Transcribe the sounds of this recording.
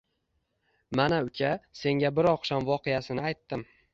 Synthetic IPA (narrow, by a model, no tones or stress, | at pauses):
manaʊkʲʰase̞ŋɡʲabɪɾɒqʃamvɒqʰejasɪnɪajt̪ːɪm